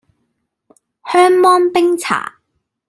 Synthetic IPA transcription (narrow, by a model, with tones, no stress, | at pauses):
hœː˥ŋmɔː˥npɪ˥ŋt͡sʰa̰ː˨˩